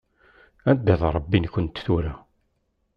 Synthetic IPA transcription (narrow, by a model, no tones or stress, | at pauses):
ænd̪æðɾˤəbːinkːʊnt̪θuɾa